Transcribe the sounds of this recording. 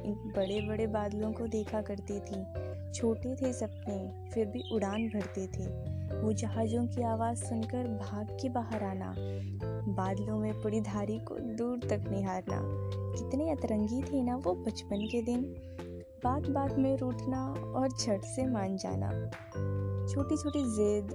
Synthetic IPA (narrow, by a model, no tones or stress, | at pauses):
ɪnbɐɽebɐɽebaːd̪lõkod̪eːkʰakɐɾt̪et̪ʰĩ | t͡ʃʰoːʈet̪ʰesɐp̚ne | fɪɾbʱiʔʊɽaːnbʱɐɽt̪et̪ʰeːʋod͡ʒɐɦaːd͡ʒõkiaːʋaːzsʊnkəɾbʱaːɡkebaːɦəɾaːna̰ː | baːd̪lõmẽpɐɽid̪ʱaːɾiko̰d̪uːɾt̪ɐknɪɦaːɾna̰ːkɪt̪neɐt̪ɾə̃ŋɡit̪ʰenaʋobɐt͡ʃpənked̪ɪn | baːt̪baːd̪mẽɾuːʈʰnaɔːɾd͡ʒʰʱɐɽsemaːnd͡ʒa̰ːna̰ː | t͡ʃʰoːʈit͡ʃʰoːʈizeːd̪